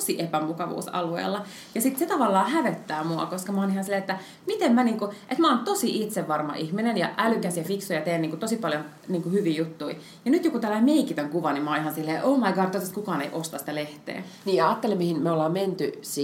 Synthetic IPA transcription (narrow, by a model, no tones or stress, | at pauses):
siʔepæmukɑʋṵːsɑ̰luḛːlːɑ | jɑsit̪set̪ɑʋɑlːɑːhæʋet̪ːæːmuɑ̰koskɑmɑonihɑnsilːeet̪ːæ | mit̪emmæniːŋkuʔet̪mæont̪osiʔit̪seʋʋɑrmɑ̰ʔihminenjɑʔælykæsjɑfiksuijɑt̪eːnniːŋkut̪osipɑljon | niːŋkuhyʋiːjut̪ːui | jɑnyt̪jokut̪ælːæimeikit̪oŋkuʋɑnimmæonihɑnsilːeːʔoːmɑiɡɑrt̪ːoˑt̪st̪kukɑːneiʔost̪ɑsĭ̥t̪æleht̪ḛːniːɑɑːt̪ːelemihinmeolːɑːmment̪y̰si